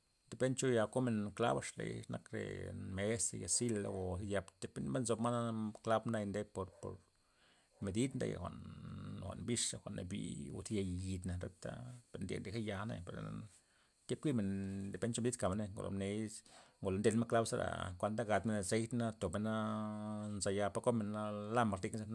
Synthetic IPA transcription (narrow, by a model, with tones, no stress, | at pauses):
d̪e˧pe˦nt͡ʃo˦ja˧ko˦me˨nkla̰˦ba˧ʂlḛ˧jnʔa̰˧kɾḛ˨me˧˦sḛ˧ja˨si˦la̰˧wo˨˧ja˧bt̪e˧˦pe˦nbe˦nzo˧bma˦na˦kla˦bnd̪a˧jnd̪e˦po˧ɾpo̰˨ɾ | me˨d̪i˦d̪nd̪a̰ja̰˨xʷa̰˨ʔnxʷa̰˨ʔnbi˦ʂa˧xʷa˨na̰˧bḭ˧˨o̰˧si˦ja˧ji˧d̪na˨ɾe˦t̪a̰˦pe˧ɾnd̪ʲḛ˨nd̪e˨ka˦ja˧nḛ˧pe˨ɾ | ke˦p̚kʷi˦me˨nd̪e˨be˦nt͡ʃo˧me˧d̪i˦d̪ka˨me˧ne˧ŋɡo̰˨lo̰˨ne˧ŋɡo˨lo˨nd̪e˧lma˦kla˦bsa˦ɾa̰˨kʷa˧nd̪a˦ɡa˧t̪me˧n˧se˦jt̪na˦t̪o˨be˧na˦ | nza˨ja˧pa˧ko˦me˧na˦la˦ma˨ɾt̪i˧kza˧kn˦